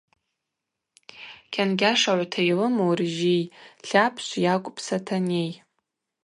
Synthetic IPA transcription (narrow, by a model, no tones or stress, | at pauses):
kʲʰanɡʲaʂaʕʷatʰajlɨmowriʒijɬapʰʃʷjakʷʼpʰsatʰanej